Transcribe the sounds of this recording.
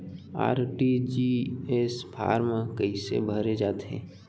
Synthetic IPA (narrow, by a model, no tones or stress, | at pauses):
a̰ːɾʈid͡ʒiespʰa̰ːɾmãkəɦisḛbʱəɾed͡ʒaːd̪ɦḛ̃ː